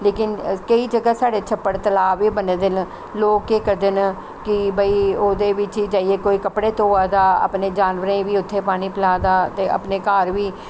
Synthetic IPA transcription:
leːkɪnkəiːd͡ʒəɡaːsaːɽeːt͡ʃʰəpːəɽt̪əlaːʋiːbəneːd̪ɪn | loːkeːkəd̪ɪn | kɪbəiːoːd̪eːʋɪt͡ʃiːd͡ʒaːieːkoːiːkəpɽeːt̪oːaːd̪aːə̰pneːd͡ʒaːnʋəɾẽːʋiːʊt̪ʰːeːpaːɽ̃iːpɪlaːd̪aːt̪eːʔə̰pneːkaːɾʋiː

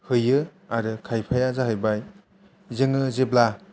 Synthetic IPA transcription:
hɯjɯaɾɯkʰajpʰajazaɦɯjbaj | zɯŋɯzebla

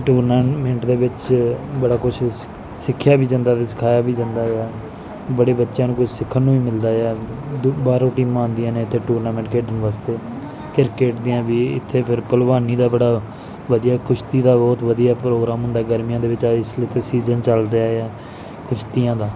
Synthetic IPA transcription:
ʈuːɾnamẽːɳʈd̪eːʋɪt͡ʃbəɽaːkʊt͡ʃʰ | sɪkʰːjaːʋiːd͡ʒə̃nd̪aːt̪esɪ̥kʰaːjaːʋiːd͡ʒə̃nd̪aːɛː | bəɽeːbətːʃãːnũːkʊt͡ʃʰsɪkʰːənːũːiːmɪld̪aːɛːbaːɾõːʈiːmːnd̪ɪjãːneːɪt̪ʰːeːʈuːɾnaːmɛ̃ːɳʈkeːɖənʋaːst̪eː | kɪɾkeːʈd̪ɪːãːʋiːɪ̰t̪ʰːeːpʰɪɾpəlʋaːniːd̪aːbəɽaː | ʋəd̪ijaːkʊʃt̪iːd̪aːbɔːt̪ʋəd̪ijaːpɾoːɡɾaːmɦʊ̃nd̪aːɡəɾmijãːd̪eːʋɪt͡ʃaɪslːt̪ʰeːsiːzənt͡ʃəlɾɪaːeɛː | kʊt͡ʃʰt̪ijãːd̪aː

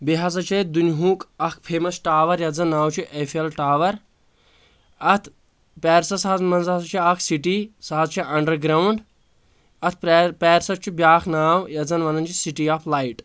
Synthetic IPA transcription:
biɦɐzɐt͡ʃʰɐd̪unɦũːkɐkʰpʰeːmɐsʈaːʋɐɾjɐzɐnːaːwt͡ʃʰiʔefʰelʈaːʋɐɾ | ɐt̪ʰ | pɛːɾsɐsaɦɐzmɐnzɐzɐt͡ʃʰiɐkʰsiʈisaɦɐzt͡ʃʰiʔɐɳɖɐɾɡɾaːwɳɖ | ɐt̪̚ʰpɛːɾsɐt͡ʃʰibjaːkʰnaːwjɐzɐnʋɐnd̪ɐnt͡ʃʰisiʈiːaːpʰlaːjʈ

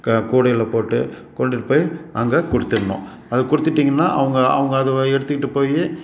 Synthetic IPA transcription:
kuːɽɐjɪlɐpoːʈːɯ̰ | kɔɳɖɪɾɯpːɐːjʔɐŋɡekʊɽɯt̪ːɪɾɯɳːʊ̰̃ː | ɐðɯkʊɽɯt̪ːɪʈːiːŋɡɐnːaːʔɐʋɐŋɡɐɐ̰ʋɐŋɡɐːðɯɛɽɯt̪ːɯkɪʈːɯpːoːje

